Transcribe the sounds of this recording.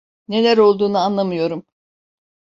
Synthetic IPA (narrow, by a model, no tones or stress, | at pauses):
ne̞lʲæɾo̞lˠd̪uːnuanlˠamɯjo̞ɾum